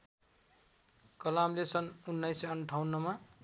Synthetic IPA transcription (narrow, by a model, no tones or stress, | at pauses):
kʌlamlesʌnunːʌjseʌnʈʰawnːʌma